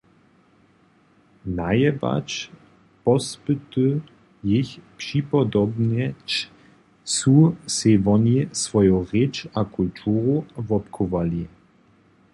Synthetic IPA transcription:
najɛba̰t͡ʃ | pɔspɨt̪u | jɪçpʂipɔd̪ɔbnɛt͡ʃ | t͡susɪvɔnisvɔjoʁɛt͡ʃakult̪ʰuːʁovɔpkʰɔvali

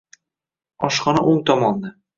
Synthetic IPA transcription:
ɒʃχɒnaʔoŋt̪ʰɒmɒnna

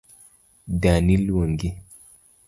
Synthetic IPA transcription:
danilwoŋɡi

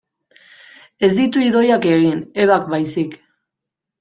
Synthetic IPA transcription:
e̞zd̪it̪uiðo̞jake̞ɣine̞βakbajsik

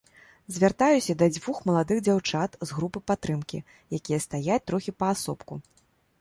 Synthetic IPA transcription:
zʲvʲart̪ajusʲɐd̪ɐd͡zʲvuxmɐlˠad̪ɨɣd͡zʲawt͡ʂat̪zɣɾupɨpat̪ːɾɨmkʲḭ | jakʲijɐst̪ajat͡sʲt̪ɾɔxʲipɐːsɔpku

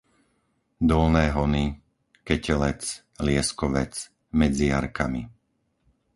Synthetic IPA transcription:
d̪ɔlnɛːɦɔni | kɛcɛlɛt͡s | lɪɛskɔʋɛt͡s | mɛd͡zijaɾkami

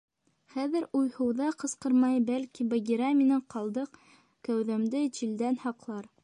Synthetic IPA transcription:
χæðɘ̆ɾujhɤ̆wðɑqɤ̆sqɤ̆ɾmɑjbælkibɐɡʲiɾɑminɘqɑlˠd̪ɤq | kæwðæmd̪ɘt͡ɕild̪ænhɑqlˠɑɾ

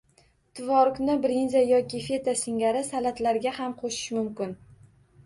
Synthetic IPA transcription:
t̪ʰɪvɒɾknɪbɾinzajɒkʲɪfe̞t̪asɪŋʲaɾɪsalat̪laɾɡʲahamqʰoʃɪ̥ʃmʊmkʲɪn

